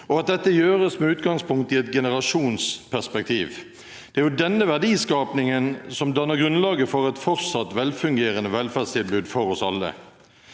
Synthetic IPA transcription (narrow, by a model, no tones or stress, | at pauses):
ɔɑt̪̚d̪ɛt̪ːəjøːɾəsmɛʉːt̪ɡɑŋspʊŋk̚t̪ɪɛt̪ɡɛnəɾɑʂuːnspʰæʁspɛk̚t̪ʰiːʋ | d̪̥ɛæɾjʊd̪ɛnːəʋæʁɖiːskɑːpnɪŋənsɔmd̪ɑnəɾɡɾʉnlɑːɡəfɔɾɛt̪fɔɾsɑt̪ːʋɛlfʉŋɡeːɾənəʋɛlfæːdst̪ʰɪlbʉːd̪fɔɾɔsɑlːə̰